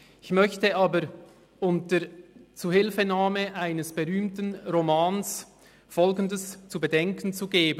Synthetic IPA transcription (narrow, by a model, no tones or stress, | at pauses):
ɪçmœçtəaːbəɾ | ʔʊntət͡suːhɪlfənaːməʔaɪnəsb̥əʁyːmtən̩ʁomaːns | fɔlɡən̩dəst͡subədɛŋkən̩t͡suɡeːb